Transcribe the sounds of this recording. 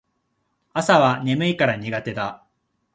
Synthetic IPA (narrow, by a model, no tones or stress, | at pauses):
asaβane̞mɯ̟ikaɾaɲ̟iɡat̪e̞d̪a